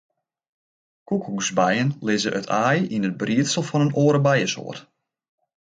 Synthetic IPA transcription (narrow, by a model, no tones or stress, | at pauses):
kukuzbɛjənlɪzəʔətʰaːjinəd̚briətsəlˠfɔnənoːɾəbɛjəso̰ːət